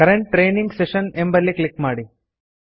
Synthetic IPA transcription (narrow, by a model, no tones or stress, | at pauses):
kɐɾeɳʈ̚ːɾeːniŋɡseʃənembɐɾliklikmaːɽi